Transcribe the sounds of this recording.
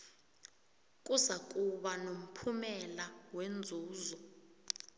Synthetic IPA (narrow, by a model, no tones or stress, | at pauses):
k̬ʼuzak̬ʼuɓanom̩pʰumɛlawend͡zʱuːzɔ